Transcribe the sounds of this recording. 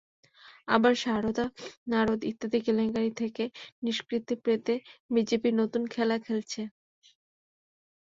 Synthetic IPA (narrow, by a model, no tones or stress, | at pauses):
a̰baɾʃaɾod̪anaɾod̪it̪ːad̪ikeleŋɡaɾit̪ʰekeniʃkɾit̪ːipɾet̪ebid͡ʑepiɾnot̪unkʰɛlakʰelt͡ɕʰe